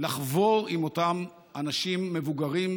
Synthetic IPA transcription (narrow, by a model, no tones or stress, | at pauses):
laχvo̞ʁimo̞tam | ʔanaʃimːevuɡaʁim